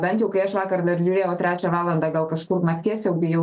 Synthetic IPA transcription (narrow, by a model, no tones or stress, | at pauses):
bʲɛnt̪jɛʊkɐɪɐʃʋɑːkɐɾd̪ɐɾʒʲʊɾʲeːjɛʊt̪ɾʲæːt͡ʃʲæʋɑːlˠɐnd̪ɑːɡɐlˠkɐʃkʊrnɐkʲt̪ʲiɛsʲjɛʊbʲɪjɛʊ